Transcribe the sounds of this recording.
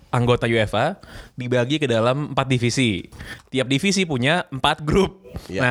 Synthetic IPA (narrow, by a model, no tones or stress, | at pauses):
ʔaŋɡot̪ajuefadibaɡikədalaməmpat̪̚difisit̪iap̚difisipuɲaəmpat̪̚ɡɾʊp̚na